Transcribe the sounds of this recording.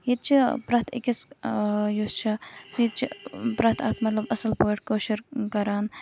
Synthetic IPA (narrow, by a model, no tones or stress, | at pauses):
jit̪̚t͡ʃʰipɾɐːt̪ʰḭkʲis | just͡ʃʰisjit̪t͡ʃʰipɾɐt̪ʰaːkmɐt̪lɐbɐsɐlpoːʈkoːʃiɾkɐɾaːn